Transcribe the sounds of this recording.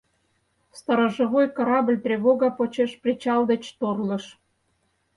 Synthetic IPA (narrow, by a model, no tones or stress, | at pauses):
st̪ɑɾɑʒə̆βojkɑɾɑblʲt̪rʲeβoɣɑpot͡ɕeʃprʲit͡ɕɑld̪et͡ɕt̪orlɤ̆ʃ